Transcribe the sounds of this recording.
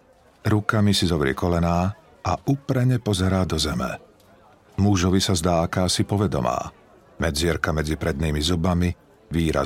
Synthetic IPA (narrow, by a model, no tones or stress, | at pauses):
ɾukamisizɔbɾɪɛ̰kɔlɛnaː | aʔupɾɛɲɛpɔzɛɾaːd̪ɔzɛmɛ̰ | muʒɔʋisazd̪aːakaːsipɔʋɛd̪ɔ̰ma̰ː | mɛd͡zɪɛɾkamɛd͡zipɾɛd̪̚niːmizubami | ʋiːɾa̰